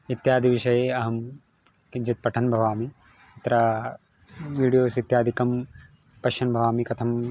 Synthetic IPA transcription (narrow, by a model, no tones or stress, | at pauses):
it̪jaːd̪ʱiʋiʃɐjeɐɦɐm | d͡ʒit̪̚pɐʈʰɐnbʱɐʋaːmi | it̪ɾaː | ʋiːɽijoːsit̪jaːd̪ʱikɐm | pɐʃɐnbʱɐʋaːmikɐt̪ʰɐm